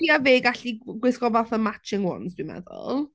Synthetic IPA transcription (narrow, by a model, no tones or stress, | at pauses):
iːaveːɡaɬiɡwɪskɔvaθəmat͡ʃɪŋwɔ̰nzd̥wimɛ̰ðʊ̰lˠ